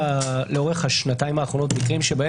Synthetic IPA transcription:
leo̞ʁe̞χhaʃnataimaːχʁo̞notmikʁimʃebae

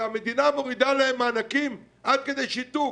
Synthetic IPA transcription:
ame̞d̪inamo̞ʁid̪alaemːaːnakim | ʔad̪̚ke̞d̪e̞jʃit̪u

